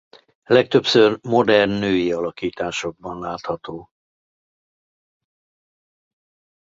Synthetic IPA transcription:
lɛk̚t̪ø̞psørmo̞d̪ɛrnːøːjiɒlɒkiːt̪aːʃo̞ɡ̚bɒnlaːt̪hɒt̪oː

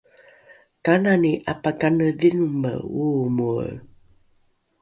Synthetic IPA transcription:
kananiʔapakanəðinmə̰umuə̰

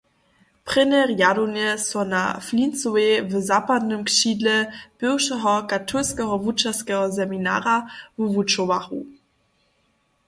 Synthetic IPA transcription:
pʁ̥ɪnɛʁjadonɛsɔna̰flint͡soevzapad̪nəmkʃidlɛb̥ɪwʃɛɦɔkatʰulskɛɦɔvut͡ʃaskɛɦɔzɛmina̰ːɾavuvut͡ʃowaxṵ

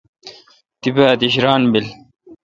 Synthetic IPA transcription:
t̪ibaːd̪iɕɾaːnbil

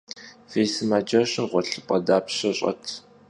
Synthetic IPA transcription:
feːjsɨmaːd͡ʒɐɕɪmqʷɔɬɨpʼɐdaːpɕɐɕʼɐ̰tʰ

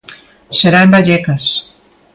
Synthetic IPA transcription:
seɾaembaʎɛkas

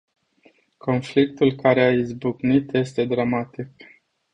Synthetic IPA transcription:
ko̞nflik̚t̪ulkaɾeaizbuknit̪je̞st̪e̞d̪ɾamat̪ik

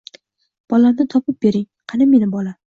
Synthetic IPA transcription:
b̥ɒlamnɪt̪ʰɒpʰɪp̚b̥e̞ɾɪŋ | qʰɑnɪmenɪbɒla

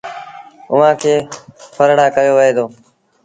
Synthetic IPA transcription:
ʊʋãːkʰeːpʰəɾɽaːkəjoːʋəɦeːd̪oː

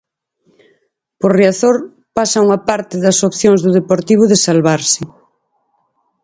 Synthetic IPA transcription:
poɾriaθoɾ | pasɐuŋɐpaɾt̪ɪðɐsopθjoŋzðʊðepoɾt̪iβ̞ʊðɪsalβaɾsɪ

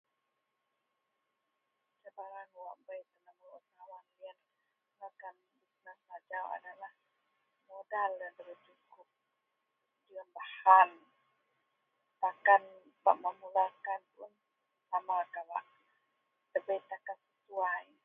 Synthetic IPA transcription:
t͡ʃabaɾanwaʔbəjt̪ənaməut̪awanlian | akan | it̪nasad͡ʒawa̰dalah | modaldand̪əbət͡ʃukʊp̚ | diambahan | t̪akan | ba̰ʔməmulakanpʊn | samakawa̰ʔ | t̪əbəjt̪akansəsuaj

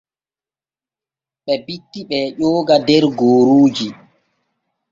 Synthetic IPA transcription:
ɓɛbitːiɓɛːʄɔːɡadɛɾɡoːɾuːd͡ʒi

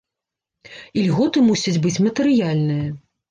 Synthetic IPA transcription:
ilʲɣɔt̪ɨmusʲɐd͡zʲbɨt͡sʲmɐt̪ɨɾɨjalʲnɨjɐ

